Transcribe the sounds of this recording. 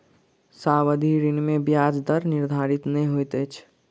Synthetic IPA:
saːwəd̪ʱiːɾɪnmẽbjaːd͡ʒd̪əɾnɪɾd̪ʱaːɾɪt̪nɐĩɦoit̪eːt͡ʃʰ

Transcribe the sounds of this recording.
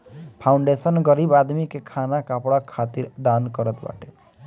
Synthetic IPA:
pʰawɳɖesʌnɡʌɾibad̪mikekʰanakapɽakʰat̪iɾd̪ankʌɾət̪ba̰ʈe

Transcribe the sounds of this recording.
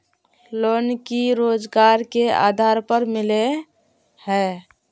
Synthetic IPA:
loːnkiɾoːd͡ʒɡaːɾkea̰ːd̪ʱaːɾpəɾmɪle | hɛː

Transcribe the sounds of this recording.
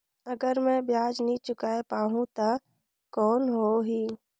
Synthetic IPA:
əɡəɾmɛ̃bjaːd͡ʒnəĩt͡ʃʊkaːepaːɦũt̪a | kɔːnɦoɦiː

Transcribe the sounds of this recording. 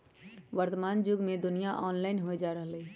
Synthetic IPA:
ʋəɾt̪əmaːnd͡ʒʊɡmẽd̪ʊnijaʔɔːnlaːɪnɦoed͡ʒaːɾəɦli

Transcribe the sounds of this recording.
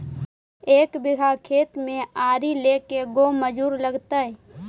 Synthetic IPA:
eːkbɪɡʱakʰeːt̪mẽaːɾileːkeɡoməd͡ʒuːɾləɡt̪aɦɛ

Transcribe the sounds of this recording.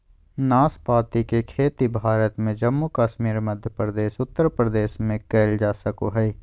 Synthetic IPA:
naːspaːt̪ikekʰeːt̪ibʱaːɾət̪mẽd͡ʒəmːukaːʃmiːɾməd̪ʱjəpɾd̪eːsʊt̪ːəɾpɾəd̪eːʃmẽkeːld͡ʒaːsəkoɦɛi

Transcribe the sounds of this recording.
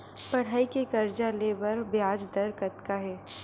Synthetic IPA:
pɐɽ̤aːikekɐɾd͡ʒaleːbəɾbjaːd͡ʒd̪ɐɾkɐt̪kaɦɛː

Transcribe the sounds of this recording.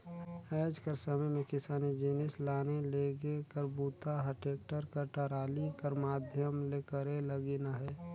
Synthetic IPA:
ɛːd͡ʒkəɾsəməjmẽkɪsaːnid͡ʒinɪslaːneleɡekəɾbuːt̪aɦəʈʰeːk̚ʈəɾkəʈəɾaːlikəɾmaːd̪ʱjəmlekəɾeləɡinaɦɛː

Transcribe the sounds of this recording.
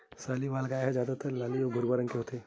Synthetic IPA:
saːlibaːlɡaːjaɦɛzjaːd̪at̪əɾlaːliobʱʊɾbaɾə̃ŋkeɦot̪eː

